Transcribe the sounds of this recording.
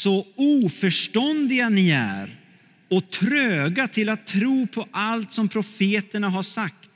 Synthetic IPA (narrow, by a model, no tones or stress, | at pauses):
sɔuːfœʂʈɔnd̪ɪɡanɪæ̰ːɾ | ɔt̪ʰɾøːɡat̪ʰɪlat̪ʰːɾuːpʰɔʔalt̪sɔmpʰɾʊfeːt̪əɳaɦaʂak̚t̪